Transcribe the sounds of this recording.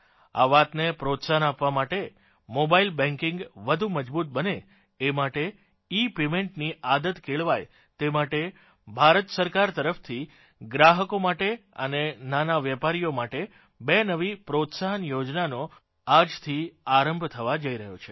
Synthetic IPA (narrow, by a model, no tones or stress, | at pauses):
a̰ʋat̪nepɾot̪saɦənapʋamaʈe | mobailbɛ̃ŋkɪŋɡʋəd̪ʱuməd͡ʒbut̪̚bəneː | maʈe | ipemẽɳʈniʔad̪ət̪kʰeɭʋaj | t̪emaʈe | bʱaɾət̪səɾkaɾt̪əɾəft̪ʰi | ɡɾaɦəkomaʈeə̰nenanaʋjɛpaɾijomaʈe | benəʋipɾot̪saɦənjod͡ʒnano | ad͡ʒt̪ʰiaɾəmbʱt̪ʰəʋad͡ʒəiɾəɦjot͡ʃʰe